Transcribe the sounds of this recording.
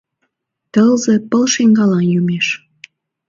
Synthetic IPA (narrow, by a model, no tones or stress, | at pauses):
t̪əlzepəlʃeŋɡɑlɑnjymeʃ